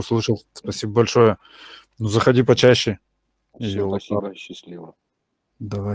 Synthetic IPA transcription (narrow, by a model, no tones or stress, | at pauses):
slˠɨʂəlˠspɐsʲibəbɐlʲʂojə | nuzəxɐdʲipɐt͡ɕæɕːɪ | ɪjolaɕːɪsʲlʲivə | d̪ɐva